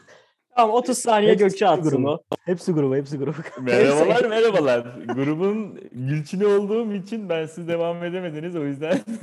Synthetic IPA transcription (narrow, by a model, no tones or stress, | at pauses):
t̪ʰaamo̞t̪ʰuz̥saːnijɛɟøct͡ʃʰɛat̪ɡuɾubuhepsiɡuɾubuhɛps̬iɡuɾubukmeɾabalˠaɾmeɾabalˠaɾɡuɾubunɟylʲt͡ʃʰinio̞lˠd̪uːmit͡ʃʰinbænsizd̪e̞vame̞d̪e̞me̞d̪inizo̞jyzd̪æn